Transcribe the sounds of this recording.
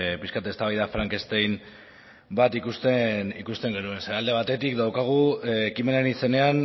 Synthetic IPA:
piskat̪e̞st̪aβajðafɾaŋke̞st̪ejn | bat̪ikust̪enikust̪e̞ŋɡe̞nue̞nseɾald̪e̞β̞at̪e̞t̪ikd̪awkaɣ̞uːkime̞nanise̞ne̞an

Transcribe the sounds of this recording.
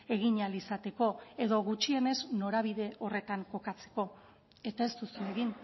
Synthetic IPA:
e̞ɣiɲalisat̪e̞ko̞e̞ðo̞ɣut͡ʃie̞ne̞zno̞ɾaβ̞iðe̞ʔo̞re̞t̪aŋko̞kat͡se̞̥ko̞ | e̞t̪ae̞st̪ust̪une̞ɣin

